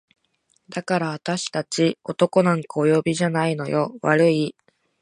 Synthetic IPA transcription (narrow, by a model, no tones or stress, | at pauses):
d̪̥akaɾaβat̪aɕi̥t̪at͡ɕio̞t̪o̞ko̞nãŋkaojo̞ːbʲiʑanaino̞̰jo̞βaɾɯ̟i